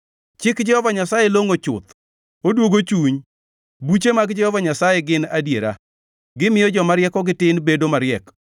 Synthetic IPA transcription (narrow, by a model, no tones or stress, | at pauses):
t͡ʃɪkd͡ʒɛhɔvaɲasajeloŋot͡ʃʊ̰t̪ | odwoɡot͡ʃuɲ | but͡ʃemaɡd͡ʒɛhɔvaɲasajeɡɪnadjeɾa̰ | ɡɪmɪjɔd͡ʒɔmaɾjɛkɔɡɪtɪnbedomaɾɪjɛk